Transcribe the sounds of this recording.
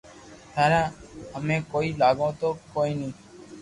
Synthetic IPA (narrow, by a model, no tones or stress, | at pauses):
t̪aːɾaːəmẽːkoːiːlaːɡõːt̪oːkoːiːnəĩː